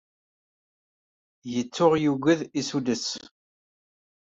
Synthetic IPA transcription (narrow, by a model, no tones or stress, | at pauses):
jət͡sːʊʁjuɡəðisud̪əs